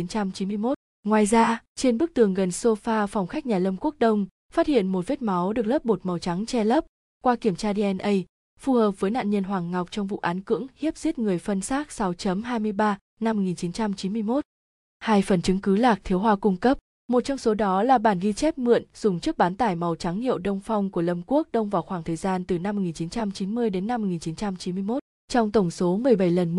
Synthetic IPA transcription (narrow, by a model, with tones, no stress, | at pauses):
i˨˦nt͡ɕa˧mt͡ɕi˨˦nmɨ˧əjmo˦˥t̚ | ŋwaː˨˩jzaː˧t͡ɕe˧nɓɨ˦˥k̚t̪ɨ˨˩əŋɣə˨˩nso˧faː˧fɔ˨˩wŋ͡mxa˦˥k̟̚ɲaː˨˩lə˧mku˦˥ək̚ɗə˧wŋ͡m | faː˦˥t̚hḭ˧˨ənmo˨˩t̚ve˦˥t̚ma˨˦wɗɨ˨˩ək̚lə˦˥p̚ɓo˨˩t̚ma˨˦wt͡ɕa˨˦ŋt͡ɕɛ˧lə˦˥p̚ | kwaː˧ki˧˩əmt͡ɕaː˧ɗi˧ʔɛ˧nʔə˧j | fu˨˩həː˨˩p̚vəː˨˦jna̰ː˧˨nɲə˧nɦwaː˨˩ŋːa˨˩wk͡p̚t͡ɕɔ˧wŋ͡mvṵ˧˨ʔaː˨˦nkɨ̰˧˥əŋhi˦˥əp̚zi˦˥t̚ŋɨ˨˩əjfə˧nsaː˦˥k̚sa˨˦wt͡ɕə˨˦mɦaː˧jmɨ˧əjɓaː˧ | na˧m̚ː˨˩ŋi˨˩nt͡ɕi˨˦nt͡ɕa˧mt͡ɕi˨˦nmɨ˧əjmo˦˥t̚ | haː˧jfə˨˩nt͡ɕɨ˨˦ŋkɨ˨˦laː˨˩k̚t̪ʰi˨˦əwɦwaː˧kʊ˧ŋ͡mkə˦˥p̚ | mo˨˩t̚t͡ɕɔ˧wŋ͡mso˨˦ɗɔ˨˦laː˨˩ɓaː˧˩nɣi˧t͡ɕɛ˦˥p̚mɨ̰˧˨ənz̥ʊ˨˩ŋ͡mt͡ɕɨ˦˥ək̚ɓaː˨˦nt̪aː˧˩jma˨˩wt͡ɕa˨˦ŋhḭ˧˨əwɗə˧wŋ͡mfɔ˧wŋ͡mku˧˩ələ˧˩mku˦˥ək̚ɗə˧wŋ͡mvaː˨˩wxwaː˧˩ŋt̪ʰəː˨˩jzaː˧nt̪ɨ˨˩na˧m̚ː˨˩ŋi˨˩nt͡ɕi˨˦nt͡ɕa˧mt͡ɕi˨˦nmɨ˧əjɗe˨˦nːa˧mo˨˩ŋi˨˩nt͡ɕi˨˦nt͡ɕa˧mt͡ɕi˨˦nmɨ˧əjmo˦˥t̚ | t͡ɕɔ˧wŋ͡mt̪ə˧˩wŋ͡mso˨˦mɨ˨˩əjɓə˧˩jlə˨˩n